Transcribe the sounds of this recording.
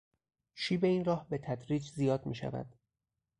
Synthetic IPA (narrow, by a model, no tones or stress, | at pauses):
ʃiːbe̞iːnrɒːhbe̞t̪ʰæd̪ɾiːd͡ʒzijɒːd̪miːʃæ̰væ̰d̪̥